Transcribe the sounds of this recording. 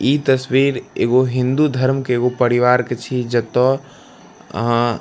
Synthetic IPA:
it̪əswiɾḛːɡoɦĩnd̪ud̪ʱəɾmkeeːɡopəɾiʋaɾket͡ʃʰid͡ʒət̪ɔ

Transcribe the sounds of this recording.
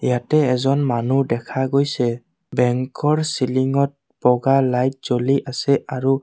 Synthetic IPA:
ijatɛːzɔnmanudɛkʰaɡojsɛ | bɛŋkɔɹsiliŋɔt̚ | bɔɡalajt̚z̥oliʔasɛaɹu

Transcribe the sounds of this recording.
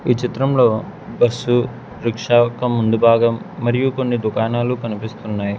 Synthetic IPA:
iːt͡ʃit̪ɾɐmlo̞ː | bɐsːu | ɾikʂaːkɐmːund̪ubʱaːɡɐmːɐɾijuko̞nːid̪ukaːnaːlukɐnipist̪unːaːji

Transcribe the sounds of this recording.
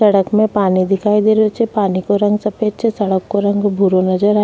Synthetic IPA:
sɐɽəkmẽpaːnid̪ɪkʰaːid̪eɾot͡ʃepaːnikoɾɐ̃ŋɡsɐpeːt͡ʃesɐɽəkːoɾɐ̃ŋɡbʱuɾonɐd͡ʒəɾaː

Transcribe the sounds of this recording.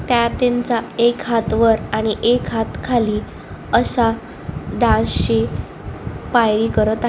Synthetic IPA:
t̪jat̪eɲt͡saekɦat̪ʋəɾaɽ̃iʔekɦat̪kʰaliː | əsa | ɖãsɕi | pajɾiːkəɾət̪a

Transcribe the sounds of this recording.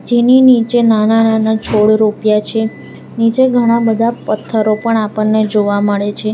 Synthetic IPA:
d͡ʒeninit͡ʃenanananat͡ʃʰoɽɾupjat͡ʃʰe | nit͡ʃeɡʱəɽ̃abəd̪ʱapət̪ʰːəɾopəɳapəɳːed͡ʒoʋaməɭet͡ʃʰe

